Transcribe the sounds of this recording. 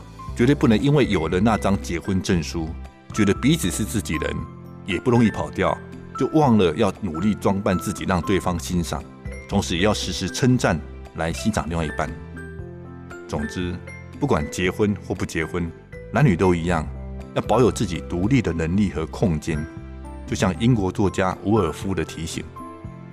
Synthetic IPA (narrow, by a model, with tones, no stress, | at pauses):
t͡ɕɥɛ˧˥t̪we˥˧˦p̬u˥˩nə˧˦ŋi˥nwe˥˩ɪjo˨˩ʊlə˦na˥˨ʈ͡ʂɑ˥ŋt͡ɕjɛ˧˥xwə˦nʈ͡ʂə˥˩nʂu˥ | t͡ɕɥɛ˧˥d̪ə˧pi˧˦˥t͡s̩ʰ˨˩ʂɻ̩˥˧t͡sɹ̩˥˩t͡ɕi˨˩ɻə̰˧˦n | jɛ˨˩pu˥˩ɻʊ˧˥˦ŋi˥˩pʰɑ˨˩ʊt̪jɑ˥˨ʊ | t͡ɕjo˥˧ʊwɑ˥˨˩ŋlə˨jɑ˥˩ʊnu˨˩li˥˨ʈ͡ʂwɑ˥ŋpa˥˧nt͡sɹ̩˥˩t͡ɕi˨˩ɻɑ˥˧ŋt̪we˥˨ɪfɑ˥ŋɕi˦˥nʂɑ̰˨˩˦ŋ | t͡s̪ʰʊ˧˥ŋʂɻ̩˧˥˨jɑ˥˩ʊʂɻ̩˧˥ʂɻ̩˧˥ʈ͡ʂʰə˥nʈ͡ʂa˥˩n | la˧˦ɪɕi˥nʂɑ˨˩ŋ˨˧wḭ˥˧˩pa̰˥˨˩n | t͡sʊ˨˩ŋʈ͡ʂ̩˥ | pu˥˩kwa˨˩nt͡ɕjɛ˧˥xwə˦nxwɔ˥˧pu˥˩t͡ɕjɛ˧˥xwə˦n | na˧˦nːy˨˩t̪o˥ʊi˧˥jɑ̰˥˩ŋjʊpɑ˨˧˥ʊjo˨˩ʊt͡sɹ̩˥˩t͡ɕḭ˨˩t̪u˧˥li˥˩d̪ə˩nə˧˥ŋli˥˩xɤ˧˦kʰʊ˥˩ŋt͡ɕjɛ˥n | t͡ɕjo˥˧ʊɕjɑ˥˩ŋi˥nkwɔ˧˥t͡swɔ˥˨˩t͡ɕja˥ʔu˧˥ə˨˩fu˥d̪ə˨t̪ʰi˧˥ɕḭ˨˧˦ŋ